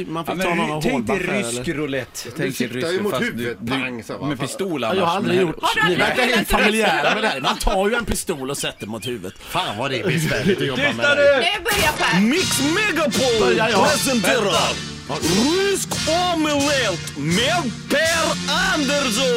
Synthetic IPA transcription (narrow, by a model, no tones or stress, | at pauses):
manfɪːnɔɛɛʏsɛlkɾʊlɛt̪ːʰɛŋmʊhʉt̪d̪aŋsɔmɛpɪst̪uːljɑːɡhaɾald̪ɾɪɡjʊʈːnɪvæɾkaɾhet̪famɪlɪæːɾamɛd̪ɛhæːɾmant̪ʰɑːjɵɛnpɪst̪uːlɔsɛt̪ːɛmʊt̪hʉ̟ːvət̪faːnvadɛɛɛɪt̪jɔt̪ːmɛadbmɪksmɛɡapʰɔljaɾɛsɛnt̪eːɾa | riskɔmɪlɛt̪mɛðpɛɾand̪ɛɾsɔ